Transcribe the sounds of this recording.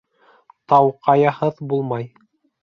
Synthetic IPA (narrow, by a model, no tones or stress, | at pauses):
t̪ɑwqɑjɑhɤðbulˠmɑj